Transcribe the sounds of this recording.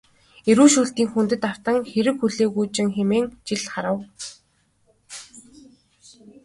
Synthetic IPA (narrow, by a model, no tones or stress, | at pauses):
eɾuːʃuːɬt̪iːŋxunt̪ɘ̆t̪aw̥t̪ə̆ŋxeɾɘ̆kxuɮeːɣujt͡ɕɪ̆ŋxemeːŋt͡ɕiɮχaɾə̆w